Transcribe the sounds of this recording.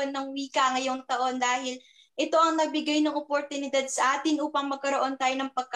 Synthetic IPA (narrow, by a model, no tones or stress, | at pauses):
nːɐŋwiːkɐŋɐjo̞ŋt̪ɐʔo̞nd̪aːhɪl | ʔɛt̪o̞ʔɐŋnɐɡ̚bɪɡajnɐŋʔopoɾt̪ʊnɪd̪ad̪̚sɐʔaːt̪ɪnʔuːpɐŋmɐɡ̚kɐɾoʔo̞nt̪aːjo̞nɐŋpɐɡ̚k